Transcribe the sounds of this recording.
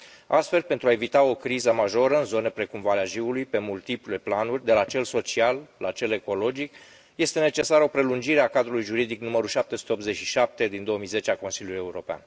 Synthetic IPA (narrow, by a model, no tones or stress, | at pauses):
ast̪fe̞lpe̞nt̪ɾuae̞vit̪ao̞kɾizəmaʒo̞ɾəɨnzo̞ne̞pɾe̞kumvaɾeaʒiulujpe̞mult̪iplule̞planurʲd̪e̞lat͡ʃe̞lso̞t͡ʃialːat͡ʃe̞le̞ko̞lo̞d͡ʒik | je̞st̪e̞ne̞t͡ʃe̞saɾo̞pɾe̞lund͡ʒiɾe̞akad̪ɾulujʒuɾid̪iknuməɾuʃap̚t̪e̞su̥eopt̪ze̞t͡ʃʲʃiʃap̚t̪e̞d̪ind̪o̞oəmijze̞t͡ʃeako̞nsilʲjuluje̞uɾo̞pea̰n